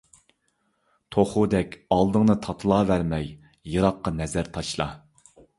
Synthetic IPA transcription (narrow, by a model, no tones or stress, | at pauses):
t̪ʰoχʊd̪ɛkʲɑlˠd̪ɨŋnɨt̪ʰɑt̪ʰɨlˠɑːvæɾmɛj | jɨɾɑqːɑnɛzæɾt̪ʰɑʃlˠɑ̰